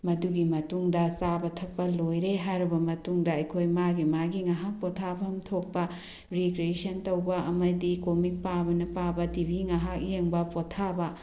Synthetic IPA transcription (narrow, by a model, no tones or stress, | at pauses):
mɐduɡimɐtuŋdɐsabɐtʰɐk̚pɐlojɾeɦajɾɐbɐmɐtuŋdɐɐjkʰojmaɡimaɡiŋaɦak̚potʰabɐmtʰok̚pɐ | ɾikɾiesɐntɐwbɐɐmɐdikomik̚pabɐnɐpabɐtibʱiŋaɦak̚jeŋbɐpotʰabɐ